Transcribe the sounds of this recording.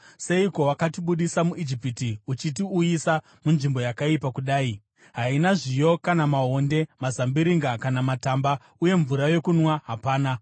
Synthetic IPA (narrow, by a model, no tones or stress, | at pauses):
se̞iko̞wakatiɓuɗisamuʔid͡ʒipitiut͡ʃitiujisa | munʐimbo̞jakaipakuɗaːi | ɦainaʐijo̞kanamaɦo̞nde̞mazambiɾiŋɡakanamatamba | uje̞ɱvuɾajo̞kunwaɦapaːna